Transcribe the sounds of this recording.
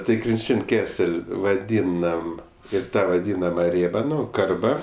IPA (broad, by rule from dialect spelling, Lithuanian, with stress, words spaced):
tɐɪ krʲɪnʲˈt͡ʃʲɪnʲ ˈkʲæːsʲɛlʲ ʋɐˈdʲiːnɐm ɪr ˈtɑː ʋɐˈdʲiːnɐmɐ ˈrʲeːbɐ ˈnʊ ˈkɐrbɐ